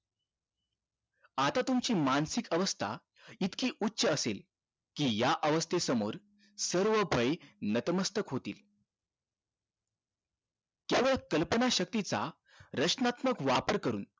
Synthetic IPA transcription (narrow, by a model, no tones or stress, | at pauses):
at̪at̪umt͡ɕiːmansikəʋəst̪ʰa̰ | it̪kiːʔutːɕəəsel | kiːjaʔəʋəst̪ʰesəmo̰ɾ | səɾʋəbʱəjenət̪məst̪ʰəkɦot̪ḭːl | keʋəɭkəlpənaɕək̚t̪it͡sa̰ | ɾəkt͡snat̪məkʋapəɾkəɾṵːn